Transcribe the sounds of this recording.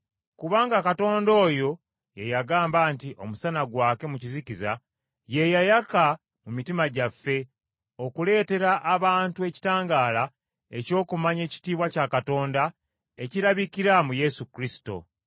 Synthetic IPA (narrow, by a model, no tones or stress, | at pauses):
kuβaːŋɡakato̞ːndo̞ːjo̞ | je̞jaɡaːmbaːntiʔo̞̰musanaɡwaːke̞mucizikiza̰ | je̞jajaka | mumitimaɟafːe̞ | o̞kule̞ːte̞ɾaʔːβaːntue̞ci̥taːŋɡaːla | e̞co̞ːkumaɲe̞ːci̥tiːβwacakato̞ːnda | e̞ciɾaβikiɾamuje̞sukɾisi̥to̞̰